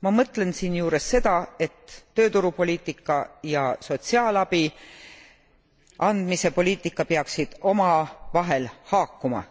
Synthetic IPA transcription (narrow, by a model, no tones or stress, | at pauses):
mɑmɤt̪ˑle̞nsiːnjuːɾe̞sːe̞d̪ɑe̞t̪ːø̞ːt̪uɾupo̞liːt̪ːˑikːˑɑjɑso̞t̪ʲsiɑːlɑb̥i | ɑnd̪̥mise̞po̞lʲiːt̪ːˑikːˑɑpeɑksid̪̥o̞mɑvɑɦe̞lhɑːkːumɑ̰